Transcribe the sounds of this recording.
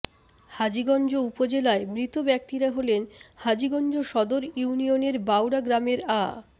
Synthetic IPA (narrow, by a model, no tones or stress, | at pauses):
had͡ʑiɡɔnd͡ʑoupod͡ʑelaemɾit̪obɛk̚t̪iɾaɦolenhad͡ʑiɡɔnd͡ʑoʃɔd̪oɾjunioneɾbawɽaɡɾameɾa̰